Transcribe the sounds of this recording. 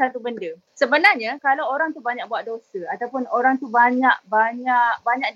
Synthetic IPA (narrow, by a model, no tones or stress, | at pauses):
sant̪ubəndə | səbənarɲakalawoɾaŋt̪ubaɲak̚buat̪ʔ̪̚dosəat̪awpʊnoɾaŋt̪ubaɲaʔbaɲaʔkbaɲãʔk̚